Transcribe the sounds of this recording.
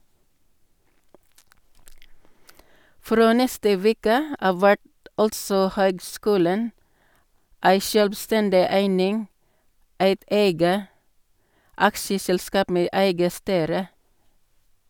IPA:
ˈfɾoː ˈnɛstə ˈʋeːkə ˈɑʋ ˈʋæʈ ˈɑltsɔ ˈhøːɡˌskʉːlən ˈæɪ ʃœlbˈstɛndɪ ˈæɪnɪŋ ˈæɪt ˈeɪɡə ˈɑkʃəsɛlˌskɑːp ˈmeː ˈæɪɡə ˈstyːɾə

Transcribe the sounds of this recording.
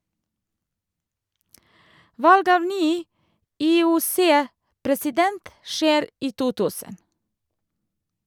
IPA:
ˈʋɑlɡ ˈɑːʋ ˈnyː ʔiːʊˈseːpɾɛsɪˌdɛnt ˈʃeːɾ ˈiː ˈtuː ˈtʉːsən

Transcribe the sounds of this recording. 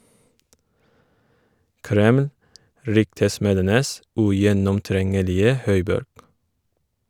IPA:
ˈkɾɛml ˈɾʏktəˌsmeːdənəs ʉjɛnɔmˈtɾɛŋəlɪə ˈhœʏˌbɔɾɡ

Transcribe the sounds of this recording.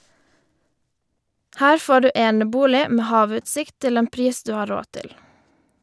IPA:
ˈhæːɾ ˈfoː ˈɖʉː ˈeːnəˌbuːlɪ ˈmeː ˈhɑːˌʋʉːtsɪkt ˈtɪl ˈeːn ˈpɾiːs ˈdʉː ˈhɑː ˈɾoː ˈtɪl

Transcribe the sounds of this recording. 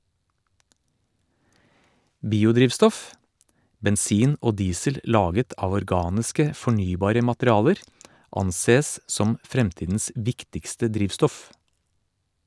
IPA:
ˈbiːʊˌdɾiːʋstɔf bɛnˈsiːn ˈoː ˈdiːsəl ˈlɑːɡət ˈɑːʋ ɔɾˈɡɑːnɪskə fɔˈɳyːˌbɑːɾə mɑtɾɪˈɑːləɾ ˈɑnˌseːs ˈsɔm ˈfɾɛmˌtiːdn̩s ˈʋɪktɪkstə ˈdɾiːʋstɔf

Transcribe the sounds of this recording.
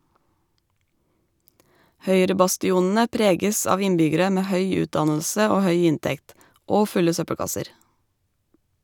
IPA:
ˈhœʏɾəbɑstɪˌuːnn̩ə ˈpɾeːɡəs ˈɑːʋ ˈɪnbʏɡəɾə ˈmeː ˈhœʏ ˈʉːtˌdɑnl̩sə ˈoː ˈhœʏ ˈɪntɛkt ˈoː ˈfʉlə ˈsœpəɽˌkɑsəɾ

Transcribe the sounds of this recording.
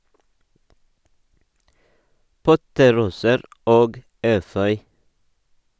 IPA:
ˈpɔtəˌɾuːsəɾ ˈoːɡ ˈeːfœʏ

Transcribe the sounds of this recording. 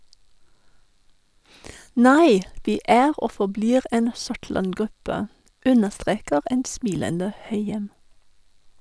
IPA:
ˈnæɪ ˈʋɪ ˈæːʁ ˈʔoː fɔˈbliːʁ ˈɛn ˈsʊʈɭɑnˌɡʁʉpə ˈʉnəʃˌtʁeːkəʁ ˈɛn ˈsmɪləndə ˈhœʏjɛm

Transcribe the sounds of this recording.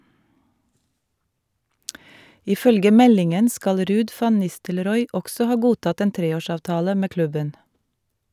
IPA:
ɪˈfœlɡə ˈmɛlɪŋən ˈskɑl ˈɾʉːd ˈfɑn ˈnɪstəlɾɔʏ ˈʔɔksɔ ˈhɑː ˈɡuːtɑt ˈeːn ˈtɾeːˌoːˌʃɑːʋtɑːlə ˈmeː ˈklʉbən

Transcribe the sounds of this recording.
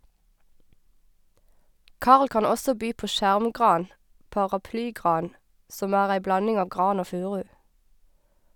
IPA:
ˈkɑʁl ˈkɑn ˈɔsɔ ˈbyː ˈpoː ˈʃæʁmˌɡʁɑːn pɑːʁɑˈplyːˌɡʁɑːn ˈsɔm ˈæːʁ ˈæɪ ˈblɑnɪŋ ˈɑːʋ ˈɡʁɑːn ˈoː ˈfʉːʁʉ

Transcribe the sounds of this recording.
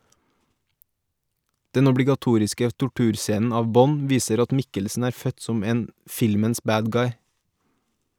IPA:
ˈdɛn ɔbɽɪɡɑˈtuːɾɪskə tʊˈʈʉːɾˌseːnn̩ ˈɑːʋ ˈbɔn ˈʋiːsəɾ ˈɑt ˈmɪkəlsn̩ ˈæːɾ ˈfœt ˈsɔm ˈeːn ˈfɪlməns ˈbæːd ˈɡɑɪ

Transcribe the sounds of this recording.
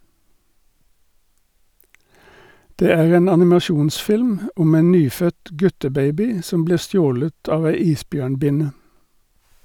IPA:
ˈdeː ˈæːʁ ˈeːn ɑnɪmɑˈʃuːnˌsfɪlm ˈʊm ˈeːn ˈnyːˌfœt ˈɡʉtəˌbeɪbɪ ˈsɔm ˈbliːʁ ˈstjoːlət ˈɑːʋ ˈæɪ ˈiːsˌbjøːɳˌbɪnə

